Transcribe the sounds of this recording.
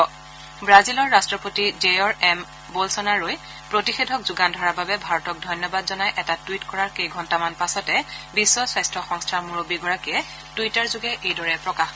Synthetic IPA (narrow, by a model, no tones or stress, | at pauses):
bɹazilɔɹːastɹɔpotizejɔɹɛm | bolsɔnaɹoj | pɹotixedʱɔkzuɡandʱɔɹababɛbʱaɹɔtɔk̚dʱɔjnjɔbadzɔnajʔɛtatwitkɔɹaɹkejɡʱɔntamanpasɔtɛbisːɔswajstɹɔxɔŋstʰaɹmuɹobiɡɔɹakiɛ | tuitaɹzʊɡɛʔejdɔɹɛpɹɔkax